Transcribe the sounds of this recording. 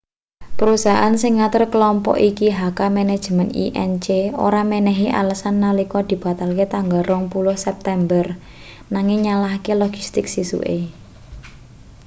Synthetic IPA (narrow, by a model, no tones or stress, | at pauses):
pəɾusaʔansɪŋːat̪ərkəlɔmpɔ̰ʔikiɦakamɛnɛd̥ʒ̥əmɛnḭʔɛ̰nt͡ʃeo̰ɾamenɛɦiʔa̰ləsanːalikɔd̪̥i̤b̥a̤t̪alket̪aŋɡalrɔŋpulʊhsɛp̚t̪ɛmbər | naŋɪŋɲalahkelɔɡ̥ist̪ɪksisṵʔḛ